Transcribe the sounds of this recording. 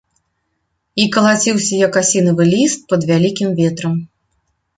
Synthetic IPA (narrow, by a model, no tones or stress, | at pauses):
ikɐlˠat͡sʲiwsʲɐjɐkasʲinɐvɨlʲist̪̚pɐd̪vʲalʲikʲimvʲɛt̪ɾɐm